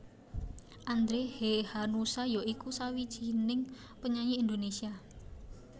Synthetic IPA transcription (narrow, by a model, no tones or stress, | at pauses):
ʔand̪ɾehehanusajoikusawid̥ʒ̥i̤nɪŋ | pəɲaɲiind̪onesia